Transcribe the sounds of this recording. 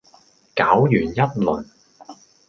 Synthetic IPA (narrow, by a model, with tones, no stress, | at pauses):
kaː˨˥wjyː˨˩njɐ˥t̚lɵ˨˩n